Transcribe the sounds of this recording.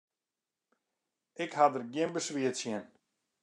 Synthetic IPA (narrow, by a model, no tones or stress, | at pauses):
ɪkhadərɡjɪənbəsʋiətsjɪən